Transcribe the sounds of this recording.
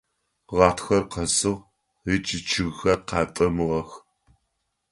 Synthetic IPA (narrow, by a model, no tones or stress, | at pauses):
ʁɑːtxɐrqɐsɨʁ | rit͡ʃʼɪt͡ʃʰɨɣxɐqɑːtʼɐmɨʁɐx